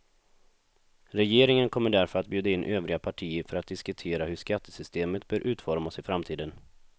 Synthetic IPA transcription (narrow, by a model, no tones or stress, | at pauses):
ɾɛjeːɾɪŋənkʰɔmːəɖæɾfœɾat̪̚bjʉ̟ːd̪aɪnʔøːvɾɪɡapʰaʈʰiːəɾfœɾat̪̚d̪ɪskɵt̪ʰeːɾaɦɵʂkat̪ːəsʏst̪eːmət̪bœːɾʔʉ̟ːt̪fɔɾmasɪfɾamt̪ʰiːd̪ən